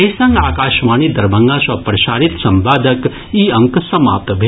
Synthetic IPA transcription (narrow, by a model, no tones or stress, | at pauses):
ɐsɐŋɡaːkaːʃʋaːnid̪ɐɾbɐ̃ŋɡaːsɐpɾɐʃaːɾit̪sɐmbaːd̪ək | iɐŋksɐma̰ːp̚t̪bʱe